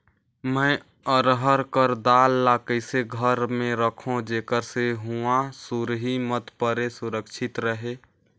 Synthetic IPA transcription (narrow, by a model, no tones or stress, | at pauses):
mə̃ɪ | əɾɦəɾkəɾd̪alːakəɪseɡʱəɾmẽɾəkʰõd͡ʒeːkəɾseɦuãsuɾɦimət̪pəɾesuɾəkt͡ʃʰɪt̪ɾəɦe